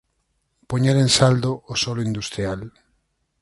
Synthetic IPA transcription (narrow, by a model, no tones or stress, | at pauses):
poɲeɾẽnsald̪oʔːsɔloind̪ust̪ɾial